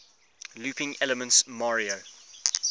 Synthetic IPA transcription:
luːˑpɪ̃ŋɛləmə̃ntsmɑɹio

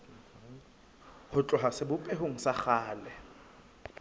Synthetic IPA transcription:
hʊt͡ɬʼɔɦasɪbʊpʼɛɦoŋ̩saχaːlɛ

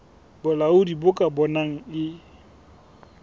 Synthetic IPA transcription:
bʊlaʊdibʊkʼabɔnaŋ̩ɪ

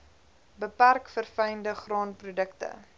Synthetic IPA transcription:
bəpærkfərfɛjndəχrɑːnprudəktə̰

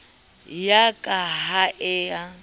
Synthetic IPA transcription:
jakʼaɦaʔɛːa

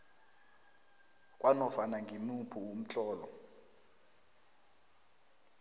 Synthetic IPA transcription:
kʼwanɔfanaŋɡʱimupʰuwum̩t͡ɬʼɔːlɔ̰

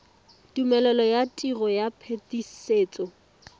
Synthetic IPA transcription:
tʼumɛlɛlɔjatʼiɣɔjapʰetiseːt͡sʼɔ

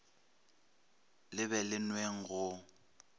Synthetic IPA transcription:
lɪβɛlɪnweŋ̩ɣʊ

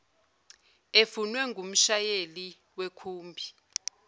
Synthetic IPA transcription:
efunwɛŋɡʱum̩ʃajeli | wekʰuːmbʱi

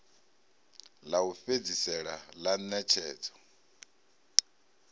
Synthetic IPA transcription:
laufed͡zisɛɺalanɛt͡ʃʰɛːt͡sʰʼɔ̥

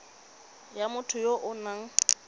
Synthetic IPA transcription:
jamʊtʰʊjoʔʊnaŋ̩

